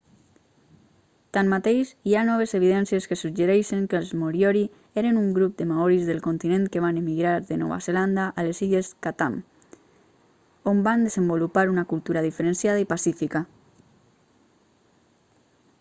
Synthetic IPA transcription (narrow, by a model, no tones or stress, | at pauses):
t̪anmːat̪ejʃianɔβ̞ezeβ̞iðɛnsieskəsud͡ʒeɾeʃeŋkəlzmoɾjɔɾi | eɾenuŋɡɾup̚d̪əmaɔɾizðelˠkont̪inẽnt̪keβ̞anemiɣɾaɾðenɔ̰βa̰zeland̪aʔaleziʎeskat̪am | omband̪ezəmbulupaɾunakulˠt̪uɾaðifeɾensjaðaipasifika